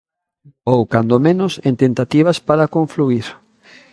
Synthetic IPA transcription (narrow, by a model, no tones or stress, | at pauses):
owkand̪omẽnʊsent̪ent̪at̪iβ̞aspaɾakõɱfluiɾ